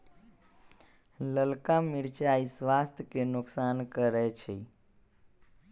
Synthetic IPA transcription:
ləlkamiɾt͡ʃaisʋast̪ʰjkenʊksankəɾɛt͡ʃʰi

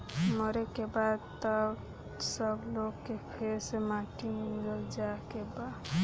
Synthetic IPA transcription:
məɾekebad̪t̪əb | səbloɡkːepʰeɾsemaʈiŋləɡd͡ʒakeba

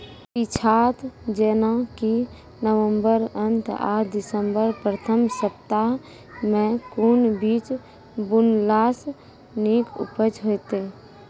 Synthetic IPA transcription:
ɪt͡ʃʰaːt̪d͡ʒeːnaki | nəwə̃mbəɾənt̪ʰa̰ːɾʰd̪ɪsəmbəɾpɾət̪ʰəmsəp̚t̪a | mẽkunbiːt͡ʃ | bʊnlaːs | niːkʊ̰pət͡ʃɦot̪e

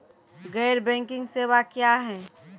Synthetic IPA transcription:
ɡɛːɾbɛ̃ːŋkɪ̃ŋɡseːwakjaɦɛː

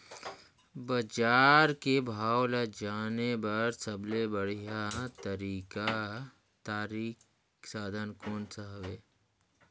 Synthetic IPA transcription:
bəd͡ʒaːɾkebʱaːwlad͡ʒaːnebɐɾsəblebəɽ̤ijat̪əɾiːka | t̪aːɾiːk | saːd̪ʱənkoːnsəɦʋeː

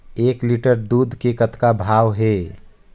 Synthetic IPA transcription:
eːkliʈəɾd̪uːd̪ʱkekət̪kabʱaːwɦe

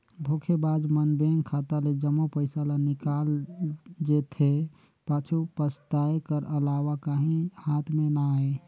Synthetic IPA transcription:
bʱokʰebad͡ʒmənbeŋɡkʰat̪aled͡ʒəmːopəɪsalanikal | d͡ʒet̪ʰe | paːt͡ʃʰupəst̪aekəɾəlawakaɦĩhat̪ʰmenaae

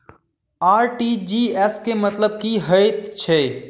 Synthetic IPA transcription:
aːɾʈid͡ʒiɛskemət̪ləb̚kiɦəjt̪t͡ʃʰe

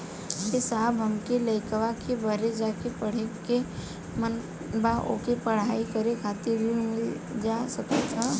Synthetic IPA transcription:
ɦɪsaːbɦəmkeləɪkəʋakebəɾed͡ʒaːkepəɽ̤eke | mən | baʔo̰kepəɽ̤aːikəɾekʰaːt̪ɪɾimɪl | d͡ʒasəkət̪a

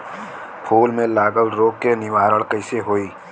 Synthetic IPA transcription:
pʰuːlmẽlaːɡəlɾoːkːenɪʋaːɾəɭkəɪseɦoːiː

